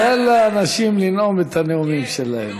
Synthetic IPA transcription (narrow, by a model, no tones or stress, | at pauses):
elaːnaʃimlinomet̪aneumimʃelahḛm